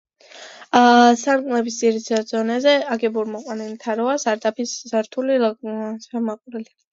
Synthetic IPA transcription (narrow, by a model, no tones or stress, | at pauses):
saɾɡʼnɛbisd̪ziɾit̪ʰad̪zɔnɛzɛaɡɛbuɾmɔqʼwanilt̪ʰaɾɔasaɾd̪ʼapʰiszaɾt̪ʰulisamaqʼɾɛli